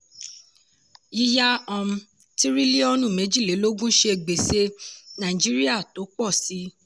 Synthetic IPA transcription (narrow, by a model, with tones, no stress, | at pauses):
ji˦ja˦ɔ̃˧m̩̃˧ | ti˦ɾi˦li˦ɔ˦nũ˦˨mẽ˨˦d͡ʒi˦˨le˨˦lo˦ɡũ˦ʃe˧˨ɡ͡be˨se˧nã˨ĩ˨d͡ʒi˨˦ɾi˦a˦˨to˨˦k͡pɔ˦˨si˨˦